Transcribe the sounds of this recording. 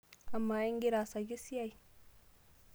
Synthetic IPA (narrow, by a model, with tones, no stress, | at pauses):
a˨mːa˨i˦ŋɡi˦ɾa˨sa˨ju˦si˦ja˦˨j